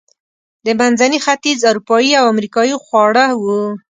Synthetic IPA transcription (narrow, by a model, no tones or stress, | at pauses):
d̪əmanzanixat̪izaɾupɑjiawamɾikɑjixwɑɽəwu